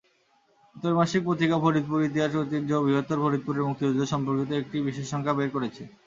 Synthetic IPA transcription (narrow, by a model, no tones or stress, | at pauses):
ut̪ːoɾmaʃik̚pɾot̪ʰikabʱoɾid̪̚puɾit̪̬iɦaʃot̪iɾd͡ʑobibʱot̪ːoɾbʱoɾit̪̚puɾeɾmuk̚t̪iod̪loʃɔmpoɾkit̪̬oek̚ʈibiʃeʃːɔŋkʰabeɾkoɾet͡ɕʰe